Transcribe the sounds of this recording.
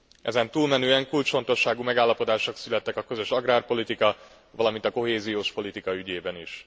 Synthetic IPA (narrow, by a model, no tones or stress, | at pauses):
ʔɛ̰zɛnt̪uːlmɛnøːɛŋkult͡ʃfo̞nt̪o̞ʃaːɡumɛɡaːlːɒpo̞d̪aːʃoksylɛt̪ːɛkɒkøzø̞ʃɒɡraːrpo̞lit̪ikɒ | ʋɒlɒmint̪ɒko̞ɦeːzijoːʃpo̞lit̪ikɒyɟeːbɛniʃ